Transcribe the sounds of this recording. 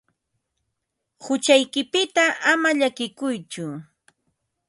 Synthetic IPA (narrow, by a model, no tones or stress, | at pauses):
hʊt͡ʃajkɪpɪt̪aʔamaʎakɪkʊjt͡ʃʊ